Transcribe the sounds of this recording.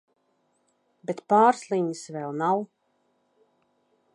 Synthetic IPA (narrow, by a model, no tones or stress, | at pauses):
bet̪paːɾslˠiɲəsvɛlˠnaw